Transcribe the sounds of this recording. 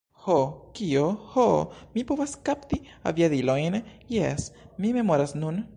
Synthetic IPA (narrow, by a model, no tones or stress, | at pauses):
hokiohomipoβaskapt̪i | a̰βiaðilonjesmimemoɾasnun